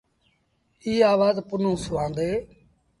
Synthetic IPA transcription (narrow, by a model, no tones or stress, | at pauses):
iːaːʋaːzpʊnũːsʊʋãːnd̪eː